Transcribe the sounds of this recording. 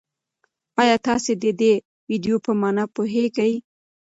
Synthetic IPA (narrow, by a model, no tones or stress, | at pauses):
ɑjɑt̪ɑsed̪əd̪e | wiɖijopəmɑnapoɦeɡaj